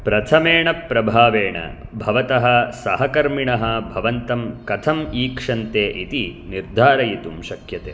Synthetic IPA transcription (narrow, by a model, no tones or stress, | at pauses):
pɾɐt̪ʰɐmeːɳɐpɾɐbʱaːʋeːɳɐ̰bʱɐʋɐt̪ɐɦɐsɐɦɐkɐɾmiɳɐɦɐbʱɐʋɐnt̪ɐmkɐt̪ʰɐmiːkʂɐnt̪eːʔit̪iniɾd̪ʱaːɾɐjit̪umʃɐkjɐt̪ḛː